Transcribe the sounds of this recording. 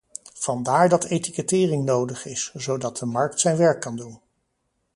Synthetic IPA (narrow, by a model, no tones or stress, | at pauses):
v̥ɑndaːɹdɑtʰejtikətɪːrɪŋnowdəχɪszowdɑt̚dəmɑɹk̚tsɛjnʋɛɹkːɑndun